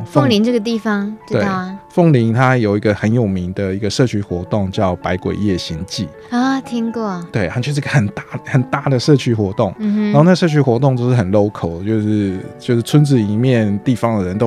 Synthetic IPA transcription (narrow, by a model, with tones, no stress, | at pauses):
fo˥˧ŋli˧˥ŋʈ͡ʂɤ˥˩ɡə˩t̪i˥˩fɑ˦ŋ˧we˥˧˩fɤ˥˩ŋli˧˥ŋt̪ʰa˥jo˨˩ʊi˧˥ɡə˧xə˧˥njo˨˩ʊmi˧˥ŋd̪ə˨i˧˥ɡə˧ʂɤ˥˩t͡ɕʰy˥xwɔ˧˥t̪ʊ˥˩ŋt͡ɕjɑ˥˩ʊpa˧˥ɪkwḛ˨˩ɪjɛ˥˩ɕi˧˥ŋt͡ɕi˥˩ | ɐ˥˩t̪ʰi˥ŋkɔ˥˩t̪we˥˩ɪa˧˥t͡ɕʰo˧˥ʂ̬̩˥˧ɡə˧xə˨˩nt̪a˥˩xə˨˩nt̪a˥˩d̪ə˩ʂɤ˥˧t͡ɕʰy˥xwɔ˧˥t̪ʊ˥˩ŋ̩˥˨˧o˥˧na˥˩ə˧ʂ̬ɤ˥˧t͡ɕʰy˥˧xwɔ˧˥t̪ʊ˥˧ŋjo˥˧ʊʂɻ̩˥˩xə˨˩nlo˥ʊkʰo˨˩ʊt͡ɕjo˥˧ʊʂɻ̩˥˧t͡ɕjo˥˧ʊʂɻ̩˥˩t͡sʰə˥nt͡sɹ̩˥˩i˨˩mjɛ˥˨nt̪i˥˩fɑ˦ŋd̪ə˨ɻə˧˦nt̪o˥